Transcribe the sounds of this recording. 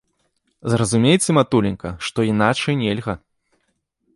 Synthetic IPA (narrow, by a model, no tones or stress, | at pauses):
zrɐzumʲejt͡sʲɛmat̪ulʲɪnkɐʂt̪ɔinat͡ʂɐjnʲɛlʲɣɐ